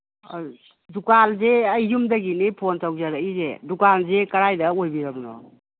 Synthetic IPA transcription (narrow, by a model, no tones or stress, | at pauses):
dukalzeɐjːumdɐɡinipʰontawzaɾaizḛdukalzekɐɾajdɐojbiɾɐmnɔ̰